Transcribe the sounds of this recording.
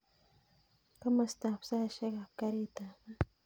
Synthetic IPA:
ka˦ma˨st̪a˨ɸsa˦˨ʃɛ˦ka˨ka˦ɾi˦t̪a˨

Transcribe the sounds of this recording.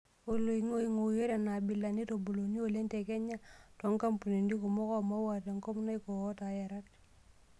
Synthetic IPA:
o˨lo˨i˨ŋo˦i˦ŋo˨je˦ɾa˨na˨bi˨lːa˨ni˦to˨bu˨lo˨ni˦o˨le˦nte˨kɛ˦ɲa˦tɔ˨˦ŋka˦mpu˨ne˨ndi˦ko˨mɔ˦kɔ˦˨ma˦wa˨te˨ŋkɔ˦mna˦i˦ko˨ɔ˦ta˨ja˨ɾa˦t̚

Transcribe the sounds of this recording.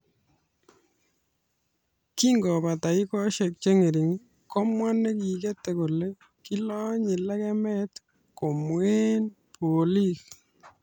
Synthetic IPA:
ki˦ŋɡɔ˨pa˨ta˨i˦kɔ˦ʃe˨k̚t͡ʃe˦ŋe˨ɾi˨ŋ˦ | kɔ˦mwa˦nːe˦ki˨ke˦tːe˨ko˨le˦ | ki˦lɔ˦ɲi˨lɛ˦kɛ˦mɛ˦t | ko˨mwe˦n | pʰoli˦k

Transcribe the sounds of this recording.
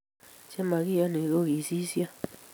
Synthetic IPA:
t͡ʃe˦ma˨ɣi˦ja˦ne˨ɣo˦ɣi˨si˦sja˦

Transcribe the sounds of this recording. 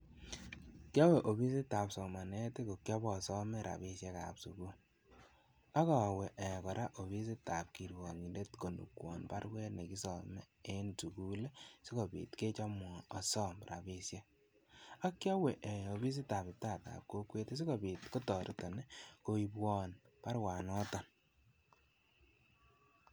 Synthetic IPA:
kjɔ˦we˨ʔo˨bi˦si˦ta˨psɔ˨ma˨nɛ˦ti˦ko˨kjɔ˦bɔ˨sɔ˦me˦ɾʔa̰˨bi˨sje˦ka̰˨psu˨ku˦ | a˦kɔ˨we˨ʔɛ˨kɔ˨ɾa˦ʔo˨βi˦s̬i˦ta˨p̚ki˨ɾwɔ˨ɲi˨lde˦tko˨nṵ˨kwɔ̰˨npa˦ɾwɛ˦ne˨ki˦sɔ˨me˦e˦nsu˨ku˦le˦si˦ko˨bḭː˨tke˦t͡ʃɔ˦mwɔ˨ɔ˨sɔ˦mɾa̰˨be˦sje˦ | a˦kjɔ˦we˨ʔe˨o˨bi˦s̬i˦ta˨pi˨taː˦˨ta̰˨p̚ko˦kwe˦te˦s̬i˦ko˨bi˨tko˦tɔ˨ɾi˦tɔ˨ne˦ko˨i˦pwɔ˦n | pa˦ɾwa˨nɔ˦tɔ˨n

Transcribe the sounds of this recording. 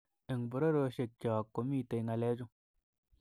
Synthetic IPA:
e˨ŋbu˨ɾo˦ɾo˧ʃe˨k̚t͡ʃʲa˨kːo˨mi˦˨te˨˧jŋa˧˨le˦d͡ʒu˦

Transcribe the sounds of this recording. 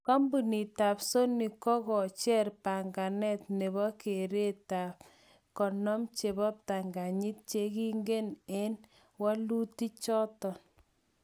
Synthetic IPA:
ka˦mbu˨ni˨ta˨pso˦ni˨kɔ˦kɔ˨t͡ʃɛ˦rpa˨ŋɡa˨nɛ˦tne˨bɔ˦ke˨ɾe˦ta˨p | kɔ˨nɔ˦mt͡ʃe˨bɔ˦p̚ta˨ŋɡa˨ɲi˦t̚t͡ʃe˦ki˦ŋɡe˦ne˦n | wa˦lu˦ti˦t͡ʃɔ˦tɔ˨n

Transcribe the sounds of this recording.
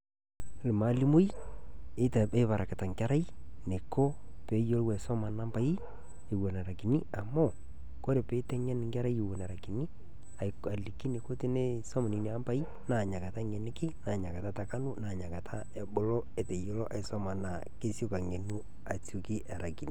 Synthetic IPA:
lɪ˨ma˨˦li˦mu˦je˦ta˨e˦pa˨ɾa˨kɪ˨ta˨ŋka˦ɾa˦ji˦ | ne˨ko˦ | pe˨˦jo˦lwɛ˨sɔ˦ma˨na˦mpa˨˦i˦ | e˨wɛ˨na˨ɾa˨ki˨ni˦a˨mo˦ | ko˦ɾe˨pe˨˦tɛ˦ŋɛ˦nɪ˨ŋɡa˦ɾa˦je˨wɛ˨na˨ɾa˨ki˨ni˦ | a˨a˨li˨ki˦ne˨ko˦ti˦ne˦sɔ˦mɔ˨ni˨ni˨a˦mpa˦i˦ | na˨ɲa˨ka˨ta˦ŋɛ˨nɪ˦kɪ˦naː˨ɲa˨ka˨ta˦ta˨ka˦nu˦na˨ɲa˨ka˨tʰa˦e˨bʊ˨lo˦e˨te˨jo˨˦lɔ˦ʔa˨ɪ˨sɔ˦ma˨na˨ | ke˦si˦o˦ka˨ŋe˨nu˦ | a˨t͡su˨ki˦ʔa˨ɾa˨ki˨ni˨

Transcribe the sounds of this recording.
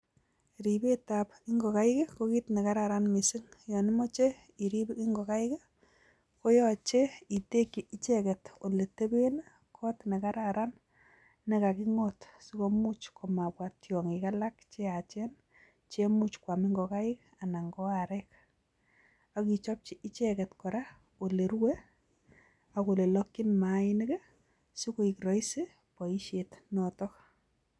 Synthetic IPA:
ɾi˨be˦ta˨pi˦ŋɡɔ˨ka˦i˦ke˦ko˦ki˦tne˨ka˦ɾa˨ɾa˦nmi˨sɪ˦ŋjɔ˨ni˦mo˦t͡ʃe˦ | i˨ɾi˦bki˦ŋɡɔ˨ka˦i˦ke˦ | ko˦jɔ˦t͡ʃe˦i˨te˦ki˨i˦t͡ʃɛ˦kɛ˨to˨le˨te˦be˦n | kʰɔ˦tne˨ka˦ɾaɾa˦n | ne˦ka˨ki˦ŋotsiko˦mu˦t͡ʃkʰɔ˨ma˨pwa˨tjɔ˨ŋika˦la˦kt͡ʃe˦a˨t͡ʃɛ˦n | t͡ʃe˦mu˦t͡ʃkwa˨mi˦ŋɡɔ˨ka˦ɪ˦k̚ | a˨na˨ŋɡɔ˦aɾɛk | a˨ki˨t͡ʃɔ˦p̚t͡ʃi˦ʔɪ˦t͡ʃɛkɛ˨tkɔ˨ɾa˦ | o˨le˨ɾwe˦ | ako˨le˨lɔ˦kːi˦nmaɪ˦nɪ˦kɛ˦ | si˦ko˦i˨kɾɔ˨isɪ˦ | pɔ˨i˦ʃe˨tnɔtɔk

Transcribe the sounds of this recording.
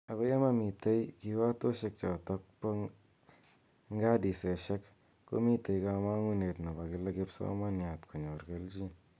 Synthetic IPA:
a˨ko˦ja˦ma˦mi˨te˦jki˧wa˦to˦ʃe˧k̚t͡ʃɔ˨tɔ˦k̚po˦ | ŋɡa˦di˨se˨ʃɛ˦kː | o̰˦mi˦te˨jka˧ma˦ŋu˦ne˨tno˨ba˨kɪ˦le˦kɪ˦psɔ̰˦ma˦nja˨tkʰo˨ɲo˨rke˦lt͡ʃi˦n

